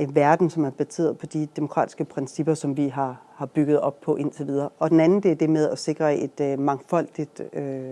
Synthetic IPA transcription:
eʋæɐd̥n̩sɒ̽mæɐb̥æse̝̰ːɐð̩ˠpʰɒ̽d̥id̥e̝mo̝kʰʁɑ̰̈ːd̥i̥sɡ̥əpʰʁɛnsib̥ɐsɒ̽mʋiɦɑ̈ | hɑ̈b̥yɡ̥ð̞ˠɒ̽b̥̚pʰɒ̽ʔe̝n̰t͡sʰe̝ʋið̞ˠɐːʔɒ̽d̥enænn̩d̥eæɐd̥e̝með̞ˠæse̝ɡ̥ʁɐe̝d̥mɑ̈ŋfɒ̽l̰d̥id̥ø

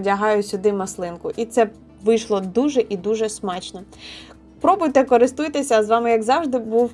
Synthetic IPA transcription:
dʲɐɦɑjʊsʲʊd̪ɪmɐslˠɪnkʊʔit̪sɛ | ʋɪjʃlˠɔd̪uʒɛʔid̪uʒɛsmɑt͡ʃnɔ | pɾɔbʊjt̪ɛkɔɾɪst̪ujt̪esʲɐzʋɑmɪjɐɡzɑwʒd̪ɪbuw

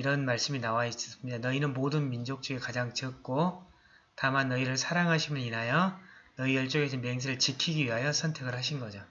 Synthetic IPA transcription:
iɾʌnmaɭs͈ɯminawais͈ʌ̥s͈ʰɯmɲidanʌinɯnmodɯnmind͡ʑok̚t͡ɕ͈ʌɡekad͡ʑaŋt͡ɕʌk̚k͈o | tamanːʌiɾɯɭsʰaɾaŋɦaɕʰimɯninɦajʌnʌijʌɭt͡ɕ͈oɡesʰemeŋs̬ʰiɾɯɭt͡ɕikʰiɡiɥiɦajʌsʰʌntʰe̞ɡɯɭhaɕ̬ʰinɡʌd͡ʑo

